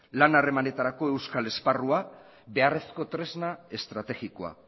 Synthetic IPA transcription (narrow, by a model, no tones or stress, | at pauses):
lanare̞mane̞t̪aɾako̞e̞wskale̞sparua | be̞are̞sko̞t̪ɾe̞znae̞st̪ɾat̪e̞ɣikoa̰